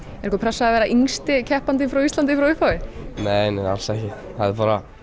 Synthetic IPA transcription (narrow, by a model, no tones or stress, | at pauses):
ɛɾ̥kɔpɾɛsːaðvɛːɾaʔiŋst̪ɪcʰɛhpant̪̬ɪfɾawist̪lant̪ɪfɾawʏhpawɪneːjneja̰lsɛhcɪ | haðɪɾpaːɾa